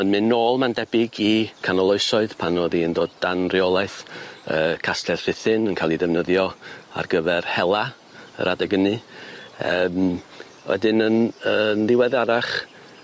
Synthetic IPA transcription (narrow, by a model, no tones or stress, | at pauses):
ənmɪnːoːlˠmandɛbɪɡikʰanɔlˠɔɨsɔɨðpʰanɔðiəndoːdanrjolˠaɨθəːkʰastʰɛrr̥ɪθɨnənkʰalˠiðɛvnəðjɔa̰rɡəvɛrhɛlˠa | ə̰ɾʔadɛɡənɨ | əːm | wɛ̰dɪnənənlˠɪwɛðaɾaχ